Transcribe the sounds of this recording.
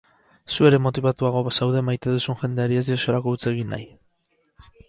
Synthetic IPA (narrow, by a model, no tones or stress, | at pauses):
sue̞ɾe̞mo̞t̪iβat̪uaɣ̞o̞sawðe̞majt̪e̞ðusunʝe̞nd̪e̞aɾie̞zd̪iosioɾako̞ut͡se̞ɣ̞inːa̰j